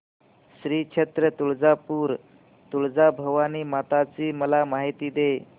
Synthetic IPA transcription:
ɕɾiːkʂʰet̪ɾət̪uɭd͡zapuːɾ | t̪uɭd͡zabʱəʋaniːmat̪at͡siːməlamaɦit̪iːd̪e

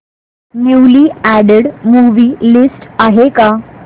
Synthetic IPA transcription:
nuwliæɽeɽmuʋiːlisʈaɦeka

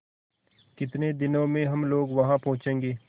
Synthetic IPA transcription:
kɪt̪ned̪ɪnõmẽɦɐmloːɡʋɐɦãpɔ̃ɦʊ̃t͡ʃẽːŋɡeː

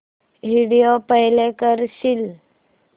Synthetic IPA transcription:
ɦiɽijopəɦlekəɾɕil

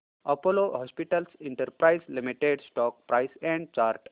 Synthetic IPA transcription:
ɔpolohɔːspiʈəlsɪ̃ɳʈəɾpɾaɪslimiʈeɖsʈɔːk̚pɾaɪsɛ̃ɳɖ̚t͡ʃaːɾʈ

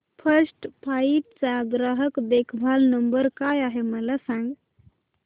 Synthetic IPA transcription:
pʰəsʈpʰaip̚t͡saɡɾəɦəkd̪ekʰbʱalnəmbəɾkajaɦeməlasãŋɡ

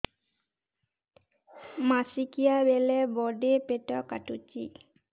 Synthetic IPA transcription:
masikijabelebɔɖepeʈɔkaʈut͡ʃḭ

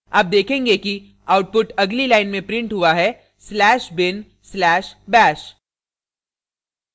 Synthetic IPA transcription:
aːp̚d̪eːkʰẽːŋɡeki | aːʊʈ̚pʊʈɐɡlilaːɪnmẽpɾɪ̃ɳʈɦʊaɦɛ | slɛːʃbɪn | slɛːʃbɛːʃ

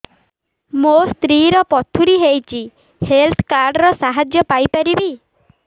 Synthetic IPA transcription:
most̪ɾiɾɔpɔt̪ʰuɾiɦejt͡ʃʰi | helt̪ʰkaɾɖɾɔsaɦad͡ʒjɔpajpaɾibi

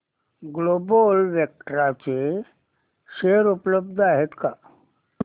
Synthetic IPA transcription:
ɡlobolʋjek̚ʈɾat͡ʃe | ʃeɾupləb̚d̪ʱaɦet̪ka

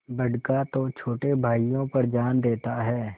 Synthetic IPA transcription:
bəɖkat̪ot͡ʃʰoːʈebʱaːijõpɐɾd͡ʒaːnd̪eːt̪aɦɛː

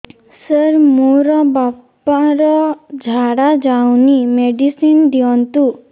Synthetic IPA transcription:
səɾmuɾɔbap | aɾɔd͡ʒʱaɽad͡ʒawnimeɖisind̪iɔnt̪u

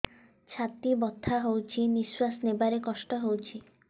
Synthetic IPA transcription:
t͡ʃʰat̪ibɔt̪ʰːaɦowt͡ʃʰiniswasnebaɾekɔsʈɔɦowt͡ʃʰi

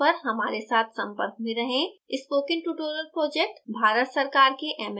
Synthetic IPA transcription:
ɐɾɦɐmaːɾesaːt̪ʰsɐ̃mpə̰ɾk̚mẽɾɐɦẽɪspoːkɪ̃ŋʈuːʈoːɾəlpɾoːd͡ʒeːk̚ʈbʱaːɾət̪sɐɾkaːɾkeʔɛːm

